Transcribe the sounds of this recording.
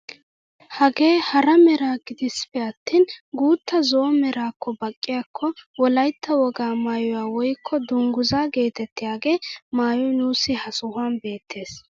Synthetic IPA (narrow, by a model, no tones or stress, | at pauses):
hɐɡe̞ːhɐɾɐmɛɾaːɡɪd̪ɪspɛɐt̪ːiːnɡuːt̪ːɐzɔːmɛɾaːkːɔbɐkʼːɪjakʰːɔwɔlɐjt̪ʰːɐwɔɡaːmaːjɔwaːwɔjkʰːɔd̪ʊŋɡʊzaːɡe̞ːt̪ɛt̪ːɪjaːɡe̞ːmaːjɔnuːsːɪhɐsʊhʊaːnbe̞ːt̪ʰːe̞ːs